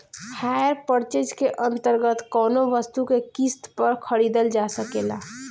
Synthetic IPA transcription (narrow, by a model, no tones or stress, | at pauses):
hajəɾpəɾt͡ʃed͡ʒkeʔə̃nt̪əɾɡət̪kɔːnoʋəst̪ukekist̪pəɾkʰəɽid̪əld͡ʒasəkela